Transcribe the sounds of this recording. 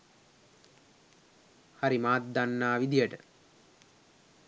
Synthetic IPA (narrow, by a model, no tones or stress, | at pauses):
haɾimaːt̪̚d̪anːaːʋid̪ijəʈə